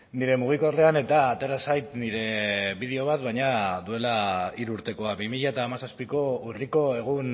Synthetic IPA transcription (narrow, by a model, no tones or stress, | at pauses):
niɾe̞muɣ̞iko̞rle̞ane̞t̪aːt̪e̞ɾasajt̪niɾe̞βið̞eo̞β̞at̪βajɲaðue̞laiɾuɾt̪e̞ko̞aβimiʎaet̪aːmasaspiko̞uriko̞e̞ɣ̞un